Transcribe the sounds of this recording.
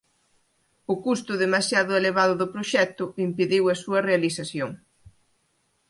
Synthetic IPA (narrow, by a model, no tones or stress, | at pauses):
ʊkust̪ʊðemasjaðʊeleβ̞aðʊðʊpɾoʃɛt̪ʊimpiðiwɐsuɐrealiθaθjoŋ